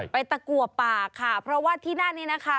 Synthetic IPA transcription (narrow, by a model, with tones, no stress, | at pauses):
pa˧jt̪a˧˩ku˨˩ətt̪̚paː˨˩kʰːa˥˩pʰɾɔ˦˥waː˥˩t̪ʰiː˥˩naː˥˩niː˥˩˨na˦˥kʰa˦˥